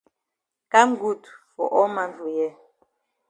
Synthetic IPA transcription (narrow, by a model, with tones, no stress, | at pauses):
ka˦m̩˦ɡu˦˨tu˨fɔ̰˨ʔɔ˦ma˨ntu˨jɛ˦